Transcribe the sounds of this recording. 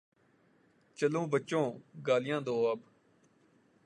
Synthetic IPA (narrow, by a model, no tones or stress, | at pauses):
t͡ʃəlõːbət͡ʃːõːɡaːlɪjãːd̪oːəb